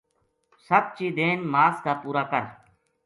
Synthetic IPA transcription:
səb̚t͡ʃiːd̪eːnmaːskaːpuːɾaːkəɾ

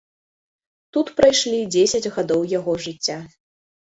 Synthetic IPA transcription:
t̪ut̪pɾajʂlʲid͡zʲesʲɐd͡zʲɣad̪ɔwjaɣɔʐɨt͡sʲːa

